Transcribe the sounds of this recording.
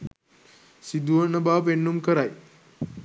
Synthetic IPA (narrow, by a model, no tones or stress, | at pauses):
sid̪uʋənəbapeɳːumkəɾaj